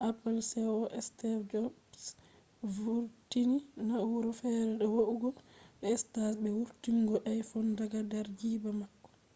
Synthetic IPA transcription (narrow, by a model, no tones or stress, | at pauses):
ʔapalsɛɔʔɛstɛɾd͡ʒɔbs | vuɾtininauɾɔfɛɾɛɗɔwoʔuɡɔɓɛːstasbɛwuɾtiŋɡɔʔɛjfɔndaɡadaɾd͡ʒiːbamakːɔ̥